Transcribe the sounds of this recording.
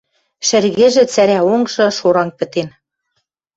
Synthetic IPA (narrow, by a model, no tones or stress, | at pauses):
ʃɘ̆rɣĕʒĕt͡sæɾæoŋʒɤ̆ʃoɾɑŋpɘ̆t̪en